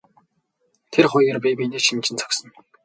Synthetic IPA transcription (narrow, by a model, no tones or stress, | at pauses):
t̪ʰerχʊjɣĕrpiːpiːneːʃint͡ɕʰɪ̆nt͡sʰɔ̥ksə̆n